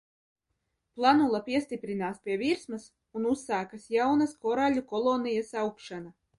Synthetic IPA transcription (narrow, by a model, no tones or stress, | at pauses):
plˠanulˠapʲiɛst̪ipɾinaːspʲiɛvʲiɾsmɐs | unusːaːkɐsjawnɐskɔɾalʲukɔlˠonijasaukʃana